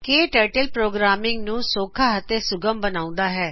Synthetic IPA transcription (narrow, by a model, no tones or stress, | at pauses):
keːʈəːʈəlpɾoːɡɾaːmɪŋɡnũːsoːkʰaːɦət̪eːsʊɡəmbənaːʊ̃nd̪aːɦɛː